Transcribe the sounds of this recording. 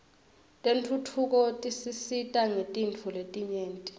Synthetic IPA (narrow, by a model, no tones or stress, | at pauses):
tʼentʰutʰuk̬ʼɔtʼisisitʼaŋetʼint͡fʰuletʼiɲeːntʼi̥